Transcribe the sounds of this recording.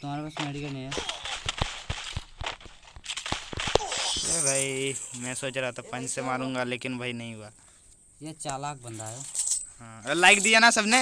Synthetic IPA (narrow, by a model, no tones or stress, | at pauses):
t̪ʊm̤aːɾepaːsmeɽikəni | eːbʱaːimɛ̃ːsoːt͡ʃɾaːat̪ʰapɐ̃ɲd͡ʒsemaːɾũːŋɡaleːkɪnbʱaːinɐɦĩɦʊaː | jet͡ʃaːlaːk̚bɐ̃nd̪ʱaːjoɦãːlaːɪkd̪ianasɐbne